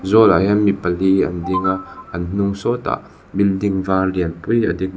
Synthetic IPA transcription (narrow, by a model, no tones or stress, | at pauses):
zɔlajɐnmipɐliɐ̰ndiŋaɐnn̥ʊŋsɔt̪a̰ʔ | bildiŋvaːliənpujɐ̰d̪ik̚